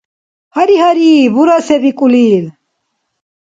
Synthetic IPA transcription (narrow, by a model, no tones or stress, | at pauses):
hɐɾiɦɐɾiːbuɾɐsɛbikʼuliːl